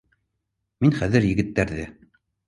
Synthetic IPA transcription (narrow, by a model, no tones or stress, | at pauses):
minχæðɘɾjɘ̆ɡɘ̆t̪ːæɾðɘ